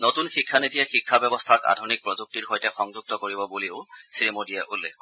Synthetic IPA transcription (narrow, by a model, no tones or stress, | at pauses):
notunxikʰːanitiɛxikʰːabɛbɔstʰaka̰dʱunik̚pɹɔzuk̚tiɹɦojtɛxɔŋzuk̚tɔkoɹibɔbuliʊsimodijɛʔulːɛ̰kɔ